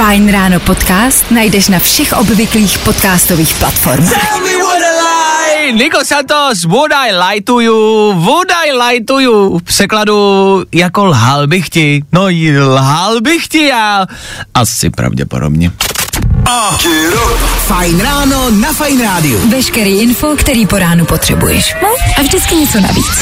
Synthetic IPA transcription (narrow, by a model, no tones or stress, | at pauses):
fajnɾaːnopot̪kaːst̪najdɛʃnafʃɛxʔobvɪkliːxpot̪kaːst̪oviːxplat̪fo̰ɾmaaxniwɔdlajnɪkosat̪os̬vudajlajt̪ujuvudajlajt̪ujupr̥ɛkladujakolɦalbɪxcɪnojɪlɦalbɪxcɪjaː | ʔasɪ̰pɾa̰vɟɛ̰po̰do̰bɲɛ | at͡ʃ | fajnɾaːnonafajnɾaːdɪṵvɛʃkɛɾiːʔɪnfokt̪ɛɾiːpoɾaːnupot̪r̥ɛ̰bṵjɛ̰ʃnʔavʒdɪt͡skɪɲɛt͡sona̰vḭːt͡s